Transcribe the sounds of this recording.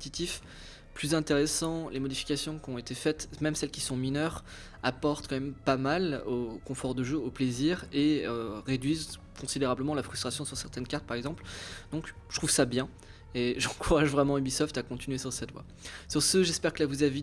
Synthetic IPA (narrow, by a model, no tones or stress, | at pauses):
t̪it̪if | plyzɛ̃t̪eʁesɑ̃lemɔd̪ifi̥kʲasjɔ̃kʲɔ̃et̪efɛt̪mɛmsɛlkʲi̥sɔ̃minœʁ | apɔʁt̪kɑ̃mɛmpamalokɔ̃fɔʁd̪əʒøopleziʁeøʁed̪ɥiz | kʰɔ̃sid̪eʁabləmɑ̃lafχy̥st̪χasjɔ̃syʁsɛʁt̪ɛnkaʁt̪̚paʁɛɡzɑ̃pld̪̥ɔ̃k | ʒət̪χuv̥sabjɛ̃ | eʒɑ̃kuʁaʒvʁɛmɑ̃ybisɔft̪akɔ̃t̪inɥesyʁsɛt̪vwa̰ | syʁsəʒɛspɛʁkəlavuzavi